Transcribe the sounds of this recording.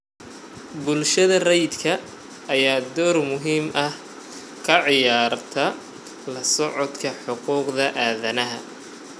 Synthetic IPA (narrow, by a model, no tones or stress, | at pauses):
bʊlʃɐðɐrɛjd̪kʰɐː | jaːd̪ɔːrmʊɦiːmʔɐh | kʰɐʕɪjaːrt̪ʰɐ | lɐsɔʕɔd̪kʰɐħʊquːqðɐʔaːðɐnɐɦɐ